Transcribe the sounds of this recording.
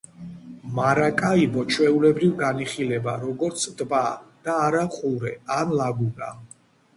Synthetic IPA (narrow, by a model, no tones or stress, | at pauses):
maɾakʼaibɔt͡ʃʰwɛulɛbɾivɡaniχilɛbaɾɔɡɔɾt̪sʰd̪bad̪̥aːɾaχʼuɾɛ̰anlaɡuna̰